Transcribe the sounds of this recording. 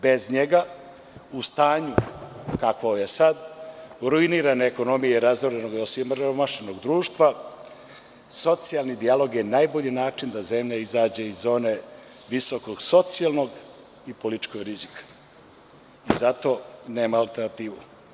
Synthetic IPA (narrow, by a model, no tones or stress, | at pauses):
bezɲeɡa | ust̪aːɲukakooʋjesad̪ɾuiniːɾaneːko̞no̞mijeɾazoɾenoɡiosimɾomaʃenoɡd̪ɾuːʃt̪ʋa | so̞t̪sialˠnid̪ialˠo̞ɡjenaːjboʎinaːt͡ʂind̪aze̞mʎaizaːd͡ʑe̞izo̞ːne̞ | ʋisoko̞ɡso̞t̪sialˠnoɡ | ipo̞lit͡ʃko̞ɡɾizikʰḁ | izat̪o̞ne̞ːmaalˠt̪eɾnat̪iːʋu